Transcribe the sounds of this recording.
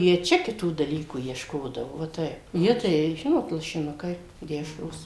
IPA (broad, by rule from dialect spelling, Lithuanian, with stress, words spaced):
ˈjiɛ ˈt͡ʃʲɛ kʲɪˈtuː dɐˈlʲiːkuː iɛʃˈkoːdɐʋoː ʋɐ ˈtɐɪp ˈjiɛ ˈtɐɪ ˈʒʲɪnoːt lˠɐʃʲɪˈnʊkɐɪ ˈdʲæːʃroːs